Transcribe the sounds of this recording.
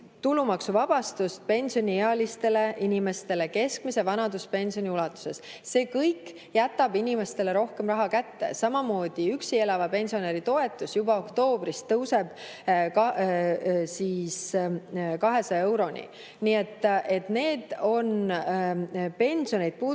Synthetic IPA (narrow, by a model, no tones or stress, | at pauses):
t̪ulumɑksuvɑb̥ɑst̪ust̪̚pe̞nʲsionʲieɑlist̪e̞le̞ʔinʲime̞st̪e̞le̞ke̞skmise̞vɑnɑd̪uspe̞nʲsio̞nʲiulɑt̪ːˑu̥se̞sse̞ːkɤjkː | jæt̪ːˑɑbinʲime̞st̪e̞le̞ɾo̞hke̞mrɑɦɑkæt̪ːe̞̰sɑmɑmo̞ːd̪̥iyksie̞lɑvɑpe̞nʲsio̞neɾit̪o̞e̞t̪ːˑusjubɑo̞kt̪o̞ːb̥ɾist̪ːɤwse̞b̥ | kɑ | siːs | kɑɦe̞sɑe̞wɾo̞nʲḭ | nie̞t̪ːe̞t̪ne̞ːd̪̥o̞n | pe̞nʲsio̞nejd̪̥̚puː